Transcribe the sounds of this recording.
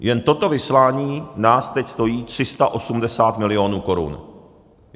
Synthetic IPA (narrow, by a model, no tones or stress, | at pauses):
jɛnt̪o̞t̪o̞vɪslaːɲiːnaːst̪ɛcst̪o̞jiːt̪r̝̥ɪst̪aʔo̞sumdɛsaːt̪mɪlɪo̞nuːko̞ɾṵn